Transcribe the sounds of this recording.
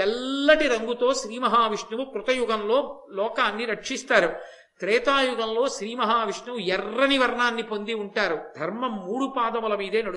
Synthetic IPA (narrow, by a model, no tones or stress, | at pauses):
ɛlːɐʈiɾɐŋɡut̪o̞ːʃɾiːmɐɦaːʋiʂɳɐʋukɾut̪ɐjuɡɐmlo̞ː | lɔːkaːnːiɾɐkʂist̪aːɾu | t̪ɾɛːt̪aːjuɡɐnlo̞ːʃɾiːmɐɦaːʋiʂɳɐʋujɛrːɐniʋɐɾɐɳaːnːipond̪iuɳʈaːɾud̪ʱɐɾmɐmːuːɽupaːd̪ɐmɐlɐmiːd̪e̞ːnɐɽ